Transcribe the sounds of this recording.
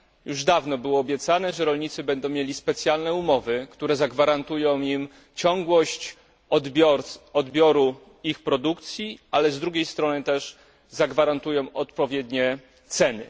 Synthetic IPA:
juʐd̪avnɔbɘwɔːbʲjɛt̪sanɛʐɛɾɔlɲit̪sɘbɛnd̪ɔ̃w̃mjelʲispɛt̪sʲjalnɛumɔvɘkt̪uɾɛzaɡvaɾant̪ujɔ̃w̃im | t͡ɕɔŋɡwɔɕt͡ɕ | d̪bʲɔɾɔd̪bʲjɔɾu | ixpɾɔd̪ukt̪sʲjiʔalɛzd̪ɾuɡʲejst̪ɾɔnɘt̪ɛʂ | zaɡvaɾant̪ujɔ̃w̃ɔt̪pɔvʲjɛd̪ɲɛ | t̪sɛnɘ̰

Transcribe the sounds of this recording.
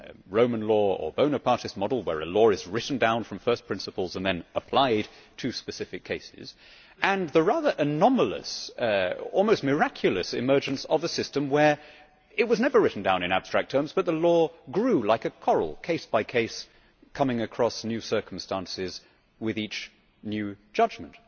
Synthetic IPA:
ɹõʊ̃mɨ̃nlɔə̰˞bõʊ̃nɨpʰɑɹɾɨs̚mɑdl̩ˠwə̰˞ɨlɔɹɨzɹɪʔn̩dãʊ̃nfɹʌ̃ɱfɜ˞spʰɹ̥ɪ̃nsəpl̩ˠzə̃nðɨ̃nəpʰl̥aɪd̚ | tʰʉspɨsɪfɨkʰeɪsɪ̰z̥ | ɨ̃nðəɹæðə˞ʔɨnɑməlˠə̰s | ɔlˠmoʊst̚mə˞ækʰjl̩ˠɨsɨ̰mɜ˞d͡ʒɨ̃nsəvəsɪstɨ̃mwə˞ | ɪt̚wʌznɛvə˞ɹɪʔn̩dãʊ̃nɨ̃ñæb̥stɹ̥æk̚tʰɜ̃˞mzbʌt̪̚ðəlɔɡɹʉlaɪkɨkʰɔɹl̩ˠkʰeɪsb̥aɪkʰeɪs | kʰʌmɪ̃ŋɨkʰɹ̥ɔsnjʉsɜ˞km̩stæ̃nsɪz | wɪðit͡ʃ | njʉ̥d͡ʒ̥ʌd͡ʒm̃n̩t̚

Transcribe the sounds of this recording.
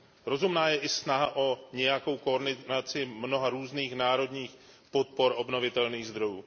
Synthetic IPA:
ɾo̞zumnaːjɛʔɪsnaɦaʔo̞ɲɛjako̞wko̞ːɾdɪnat͡sɪmno̞ɦaɾuːzniːxnaːɾo̞d̪ɲiːx | po̞t̪̚po̞ɾʔo̞bno̞vɪt̪ɛlniːɣzd̪ɾo̞juː

